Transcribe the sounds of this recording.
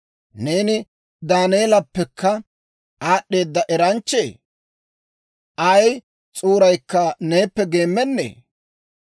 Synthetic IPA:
ne̞ːnɪ | d̪aːneːlɐpːɛkʰːɐ | aːɗːe̞ːd̪ːɐʔɛɾɐnt͡ʃːḛː | ʔɐj | t͡sʼuːɾɐjkːɐneːpːɛɡe̞ːmːɛnːḛː

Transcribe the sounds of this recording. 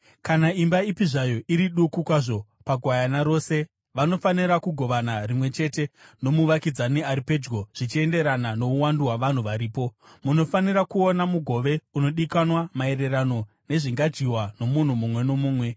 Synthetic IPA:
kanaimbaipiʐajoʔiɾiɗukukwaʐo̞ | paɡʱwajanaɾo̞ːse̞ | ʋano̞faniɾakuɡʱo̞ʋanarimwe̞t͡ʃe̞te̞no̞muʋakid͡zaniaɾipe̞d͡ʒɡo̞ʐ̥it͡ʃie̞nde̞ɾanano̞uwanduwaʋan̤uʋaɾiːpo̞ | muno̞faniɾakuonamuɡʱo̞ʋe̞uno̞ɗikanwamae̞ɾe̞rano̞ | ne̞ʐiŋɡad͡ʒiwano̞mun̤umumwe̞no̞muːmwe̞

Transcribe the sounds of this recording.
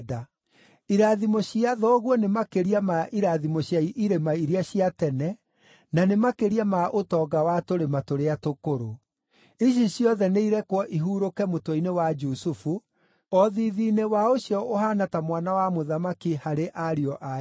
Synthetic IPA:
da | iɾaðimoɕiaðɔɣwɔnemakeɾiamaʔiɾaðimoɕjaiʔiɾemaiɾiaɕiatɛnɛ | nanemakeɾiamaʔotɔːɡawatoɾematoɾeatokoɾo | iɕ̬iɕiɔðɛneiɾɛkwɔʔiɦuːɾokɛmotwɔinewad͡ʒusufu | ɔðiðinewaoɕjɔohanatamwanawamoðamakihaɾeʔaɾiɔʔa

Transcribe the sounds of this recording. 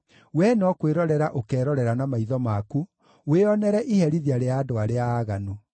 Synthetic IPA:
wɛnɔkweɾɔɾɛɾaʔokɛːɾɔɾɛɾanamaiðɔmaku | weɔnɛɾɛʔihɛɾiðiaɾeaːdoaɾeaːɣano

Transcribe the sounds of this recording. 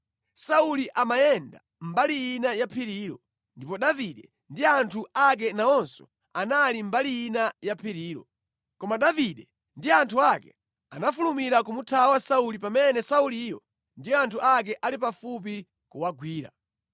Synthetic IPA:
sauliʔamajɛnda̰ | m̩balijinajapʰiɾiːɾɔ | ndipɔɗaviɗɛ | ndiantʰuak̬ɛnaɔnsɔ̥̰ | analim̩balijinajapʰiɾiːɾɔ̰ | kɔmaɗaviɗɛ | ndiantʰuakɛ̰ | anafulumiɾak̬umutʰawasaulipamɛnɛsauliːjɔ | ndijɔantʰuʔak̬ɛʔalipafup̬i | kuwaɡwiːɾa̰

